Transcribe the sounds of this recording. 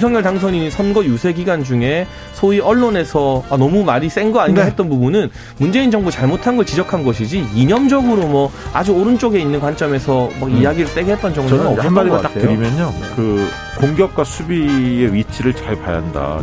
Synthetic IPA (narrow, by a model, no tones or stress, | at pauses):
isʰʌŋɲjʌɭtaŋsʰʌɲiisʰʌnɡʌjusʰe̞ɡiɡand͡ʑuŋe̞ | sʰoiʔʌɭːone̞sʰʌanʌmumaɾis͈e̞ŋɡʌaɲiaɦe̞t̚t͈ʌnpubunɯn | mund͡ʑe̞ind͡ʑʌŋbut͡ɕaɭmotʰanɡʌɭt͡ɕid͡ʑʌkʰanɡʌɕʰid͡ʑiiɲʌmd͡ʑʌɡɯɾomwʌad͡ʑuoɾɯnt͡ɕ͈oɡe̞inːɯnkwant͡ɕ͈ʌme̞sʰʌmaɡijaɡiɾɯɭt͈e̞ɡeɦet̚t͈ʌnd͡ʑʌŋɡɯʌɯʌʌaaɾiat͈akʰetɯoɾimjʌɲokɯ | koŋɡjʌk̚k͈wasʰubie̞ɥit͡ɕʰiɾɯɭt͡ɕaɭpa̰ja̰nda̰